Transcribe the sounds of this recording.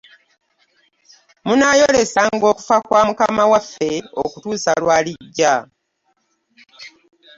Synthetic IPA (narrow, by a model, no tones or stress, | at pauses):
munaːjo̞le̞saŋɡo̞ːku̥fakwaːmukamawafːe̞o̰kutuːsalwaːliɟːa